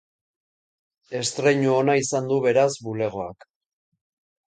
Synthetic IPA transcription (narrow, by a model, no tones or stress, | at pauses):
e̞st̪ɾe̞ɲuonaisand̪uβe̞ɾazβule̞ɣ̞o̞ak